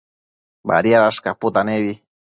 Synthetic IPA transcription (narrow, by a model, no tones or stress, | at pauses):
ba̰ɾiaɾaskapʊt̪anewi